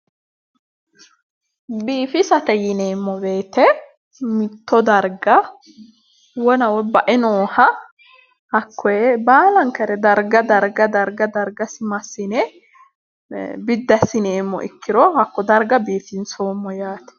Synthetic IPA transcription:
biːfɪsɐt̪ɛjɪneːmːɔbe̞ːt̪ɛ | mɪt̪ʰːɔd̪ɐɾɡɐ | wɔnɐwɔbɐʔɪnoːhɐ | hɐkʰːɔbaːlɐŋkɐɾɛd̪ɐɾɡɐd̪ɐɾɡɐd̪ɐɾɡɐd̪ɐɾɡɐsɪmɐsɪnɛ | bɪd̪ːɐsɪneːmːɔ̰ʔɪ̰kːɪɾɔhɐkːɔd̪ɐɾɡɐbiːfɪnsoːmːɔjaːt̪ɛ̥

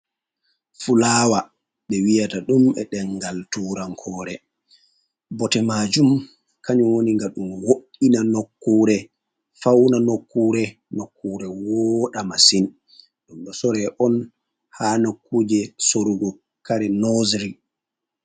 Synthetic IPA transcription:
fulawa | ɓɛwijataɗumɛ̰ɗɛŋɡaltuːɾaŋkʰɔːɾɛ | bɔtɛmad͡ʒum | kaɲɔwoniŋɡaɗumwoɗinanokːuːɾɛ | fawnanokːuɾɛnokːuɾɛwɔɗamasin | ɗumɗɔsɔɾɛʔɔn | haːnokːud͡ʒɛsoɾuɡɔ | kaɾɛnozɾi

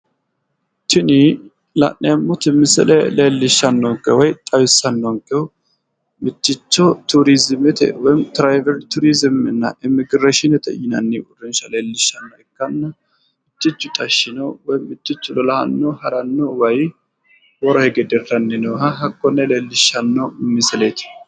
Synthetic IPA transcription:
t̪ɪnɪ | lɐ̰nnɛmːʊt̪ɪmːɪsɛ̰lɛ̰leːlːɪʃːɐnːɔŋkʼɛwɔjt̪ʼɐwɪsːɐnːɔŋkʼːɛʊ | mɪtːɪt͡ʃːɔt̪ʊɾizɪmɛt̪ɛ̰wɔjɪmt̪ɾajvɛɾt̪ʊɾizɪmɪ̰nːɐ̰ʔɪmɪɡɾeʃɪnɛt̪ɛ̰jɪnɐnːiʔʊrɪnʃɐleːlːɪʃːɐnːɔɛkːɐnːɐ | mɪt͡ʃːɪt͡ʃːʊt̪ʼɐʃːɪnowɔjmɪtːɪt͡ʃːʊlɔlɐhɐnːohɐɾɐnːowɐj | wɔɾɔhɛɡɛd̪ɛrːɐnːɛnɔɦɐɦɐkːɔnːɛleːlːɪʃːɐnːomːɪsɛlet̪ɪ̥

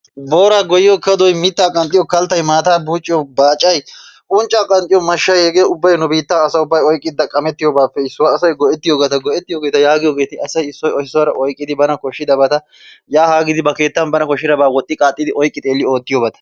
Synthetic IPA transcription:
bo̞ːɾaːɡɔjɪɔkɐd̪ɔjmɪt̪ːaːkʼɐnt̪ʼɪjɔkɐlt̪ːɐjmaːt̪aːbuːt͡ʃʼːɪjɔbaːt͡ʃʼːɐjʔʊnt͡ʃʼaːkʼɐnt̪ʼɪjɔmɐʃːɐjhɛɡeʊbːɐjnʊbiːt̪ːaɐsɐʊbːɐjɔjkʼːɪd̪ːɐkʼɐmɛt̪ːɪjoːbaːpːɛɪsːʊwɐːsɔjɡɔʔɛt̪ːɪjoːɡɐt̪ɐɡɔʔɛt̪ːɪjoːɡe̞ːt̪ɐjaːɡɪjoːɡeːt̪ɪɐsɐjɪsːɔjɔhɪsɔwɐɾɐʔɔjkʼːɪd̪ɪbɐnɐkɔʃːɪd̪ɐbɐt̪ɐ | jaːhaːɡɪd̪ɪbɐke̞ːt̪ːɐnbɐnɐkɔʃːɪd̪ɐbaːwɔt̪ʼːɪkʼaːt̪ʼːɪd̪ɪʔɔjkʼːɪt̪ʼe̞ːlːɪo̞ːt̪ːɪjoːbɐt̪ɐ̥

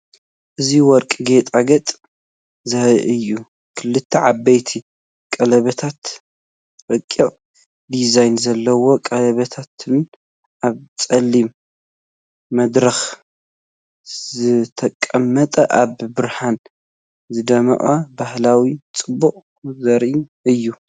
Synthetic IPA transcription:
ʔɨziwɔɾkʼɡet̪ʼaɡɐt̪ʼ | zɐhʔɨjːu | kʰɨlːɨt̪ʰːɐʕabːɐjt̪ʰi | kʼɐlɐβɐt̪ʰat̪ | bɐkʼːo | d̪izajnzɐlːɐwo̞kʼɐlɐβɐt̪ʰat̪ʰɨn | ʔaβt͡sʼɐlːim | mɐd̪ɾɐx | zɨt̪ʰɐkʼːɐmːɐt̪ʼɐʔaβbɨɾħan | zɨd̪ɐmɐ̰ʔʼabahlawit͡st͡sʼɨbːuʔʼ | zɐɾʔɨjːu

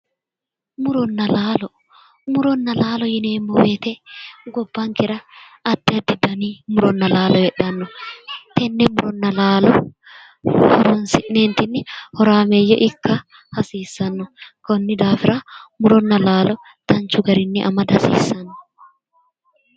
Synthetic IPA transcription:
mʊɾɔnːɐlaːlɔ | mʊɾɔnːɐlaːlɔjɪneːmːɔwet̪ɛɡɔbːaŋkɪɾɐː | d̪̥ːɪɐd̪ːɪd̪ɐniːmʊɾɔnːɐlaːlɔjɛᶑɐnːɔt̪ɛnːɛmːʊɾɔnːɐlaːlɔ | hɔɾɔnsɪneːnt̪ɪnːɪhɔɾaːmejːɛ̰ʔɪkːɐ | hɐsiːsːɐnːʊkɔnːɪd̪aːfɪɾamʊɾɔnːɐlaːlɔ | t̪ɐnt͡ʃʊɡɐɾɪnːɪʔɐ̰mɐd̪ɐsḭːsːɐnːɔ

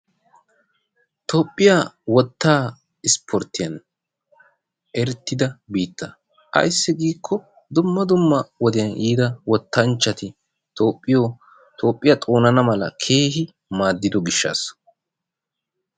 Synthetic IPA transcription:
t̪ʰoːpʼːɪjawɔt̪ːaː | ɪspʰɔɾt̪ːɪjɐn | ʔɛɾt̪ːɪd̪ɐbiːt̪ːɐ | ʔɐ̰jsːɪɡiːkʰːɔ | d̪ʊmːɐd̪ʊmːɐwɔd̪ɛjɐnʔiːd̪ɐwɔt̪ːɐnt͡ʃːɐt̪ɪ | t̪oːpʼːɪjoː | t̪ʰʼo̞ːpʼːɪjat̪ʼo̞ːnɐnɐmɐlɐ̰kʰe̞ːhɪ | maːd̪ːɪd̪ɔɡɪʃːa̰ːs

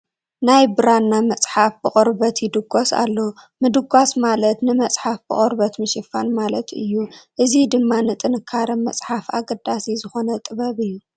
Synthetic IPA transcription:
najbɨɾanːamɐt͡sʼħafbɨχʼɾbɐt̪jɪd̪ɨɡʷosa̰lːo | mɨd̪ɨɡʷasmalɐt̪nɨmɐt͡sʼħafb̥ɨχʼɔɾbɐt̪mɨʃɪfanmalɐt̪ɨjːuʔɨzid̪ɨmːanɨt̪ʼɨnɨkʰːaɾɐmɐt͡sʼħafaɡɐd̪asizɨxo̞nɐt̪ʼɨβɐβɨjːu

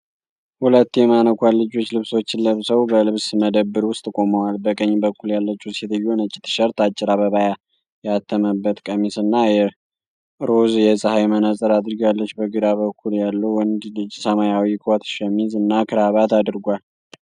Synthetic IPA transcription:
hulət̪ːjɛmanəkʰʷalːɨd͡ʒo̞t͡ʃːlɨβso̞t͡ʃːɪlləβsəwbəlɨβsməd̪əbːɨɾwʊst̪ʼkʼo̞məwalbəkʼəɲːbəkːuljalːət͡ʃːuset̪ʰɨjːonət͡ʃʼːit̪ʰːɨ̥ʃəɾt̪at͡ʃʼːɪɾaβəβaja | jat̪ʰːəməbːət̪kʼəmisɨnːajɛ | ɾozjɛsʼəhajmənəsʼəɾad̪ɨɾɡjalːət͡ʃːbəɡɨd̪aβəkʰːuljalːəwɨnd̪lɨd͡ʒsəmajawikʰwat̪ʃəmizɨnːakʰɨɾaβat̪ad̪ɨɾɡʷal

